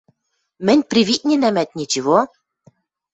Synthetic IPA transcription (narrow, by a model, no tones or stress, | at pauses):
mɘ̆nʲprʲiβit̚ʲnʲɘnæmæt̪̚nʲit͡ɕiβo